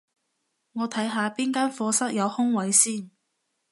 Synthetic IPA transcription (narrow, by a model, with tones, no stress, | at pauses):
ŋɔː˨˧t̪ʰɐ˨˥jɦaː˨˧piː˥nkaː˥nfɔː˧sɐ˥k̚jɐ˨˧whʊ˥ŋwɐ˨˥jsiː˥˩n